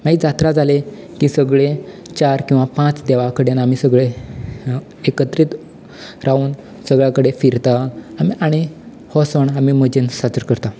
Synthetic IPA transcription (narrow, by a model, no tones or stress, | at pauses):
maid͡zat̪ɾad͡zale | kiːsəɡɭe | t͡ɕaɾkĩw̃ʋapãt͡sd̪ɛʋakəɽenamisəɡɭe | ekət̪ɾiːt̪ | ɾʔauːn | səɡɭjakəɽefiɾt̪aːmiʔaɽ̃i | hɔsəɳamiməd͡ʑensat͡səɾkəɾt̪a